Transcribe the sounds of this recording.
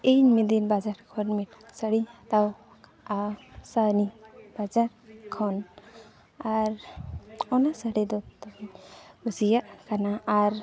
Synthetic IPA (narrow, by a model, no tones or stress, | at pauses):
ejnmid̪inbad͡ʒaɾkʰɔnmit̚səɽit̪aw | asanibad͡ʒaɾkʰɔn | aɾ | ɔnasəɽid̪ɔt̪ɔiusijaʔkanaaɾ